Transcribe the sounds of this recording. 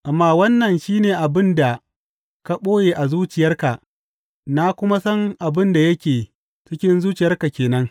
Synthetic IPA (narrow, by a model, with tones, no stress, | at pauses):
ʔa˨mːaː˦wɐ˦nːɐ˨nʃiː˦neː˨ʔa˨bɪ˦nda˨ | ka˦ɓoː˦jeː˨ʔa˨zuː˦t͡ʃɪ˨jɐ˦rka˨ʔ | na˦kʷʊ˦ma˦sɐ˦ŋʔa˨bɪ˦nda˨jɐ˦kʲeː˨ | t͡ʃɪ˦kʲɪ˦nzuː˦t͡ʃɪ˨jɐ˦rka˨kʲeː˨nɐ˦ŋ